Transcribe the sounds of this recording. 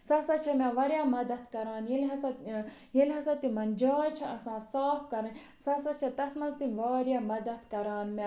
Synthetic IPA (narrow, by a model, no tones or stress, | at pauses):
sɐsɐt͡ʃʰɐmʲaʋɐɾjaːmɐd̪ɐt̪kɐɾaːnjilɦɐsɐ | jilʲɦɐsɐt̪ːimɐnd͡ʒaːt͡ʃʰɐɐsãːsaːpkɐɾɐnʲ | sɐsɐt͡ʃʰɐt̪ɐt̪ʰmɐzt̪inʲʋaːɾjamɐd̪ɐt̪kɐɾaːnmʲa